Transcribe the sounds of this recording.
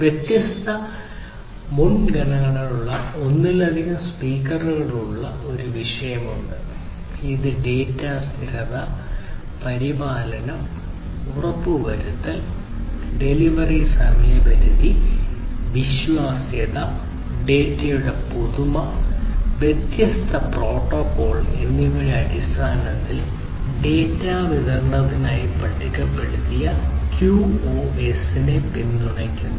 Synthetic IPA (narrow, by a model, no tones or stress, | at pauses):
ʋjet̪jɐst̪ʰɐ | muɳɡɐɳɐŋːɐɳɐluɭːɐo̞nːilɐd̪ʱiɦɐmspiːkːɐrɣɐɽuɭːɐo̞ɾuʋiʂɐjɐmuɳɖɨ | iðɨɖe̞ːtːaːst̪ʰiɾɐðɐ | pɐɾibaːlɐnɐm | urɐpːɨʋɐɾut̪ːɐl | ɖe̞liʋɐrisɐmɐjɐbɐɾuði | ʋiɕʋaːsjɐðɐ | ɖe̞ːtːɐjuɽepuðumɐ | bet̪jɐst̪ɐpro̞ːʈːoːkːoːɭḛnːiŋɐɭeɐɽist̪ʰaːnɐt̪ːil | ɖe̞ːtːaːʋiðɐrnɐðinaːjipɐʈʰːikʲːɐpːe̞ɽut̪ːijɐkjuoːe̞sinepind̪uɳɐkʲːunː